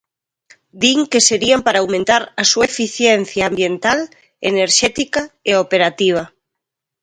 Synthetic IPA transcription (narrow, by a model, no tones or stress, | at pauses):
d̪iŋkeseɾiampaɾaːwmẽnt̪aɾasuefiθjen̟θjaːmbjent̪al | eneɾʃɛt̪ikaeopeɾat̪iβ̞a